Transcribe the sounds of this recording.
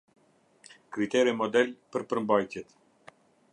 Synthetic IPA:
kɾit̪ɛɾɛmɔd̪ɛlpəɾpəɾmbajt̪jɛt̪

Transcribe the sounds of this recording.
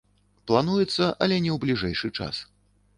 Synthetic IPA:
plˠanujɛt̪sːɐʔɐlʲɛnʲɛwblʲiʐɛjʂɨt͡ʂa̰s

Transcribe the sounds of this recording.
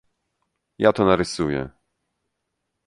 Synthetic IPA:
jat̪ɔnaɾɘsujɛ̰

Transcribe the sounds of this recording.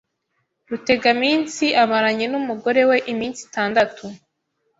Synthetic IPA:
ɾute̞ɡamiːnsiʔaβaɾaɲenumuɡo̞ɾe̞we̞ʔimiːnsi̥taːndatʰu

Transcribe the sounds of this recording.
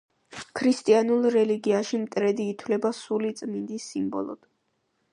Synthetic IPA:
kʰɾist̪ʼianulˠɾɛliɡiaʃimt̪ʼɾɛd̪iːt̪ʰwlɛbasulit̪sʼmind̪isːimbɔ̰lˠɔ̰d̪̥

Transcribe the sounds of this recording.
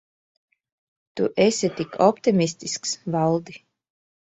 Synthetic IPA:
t̪ṵʔɛsʲit̪ikʰɔpt̪imist̪isksvalˠd̪i

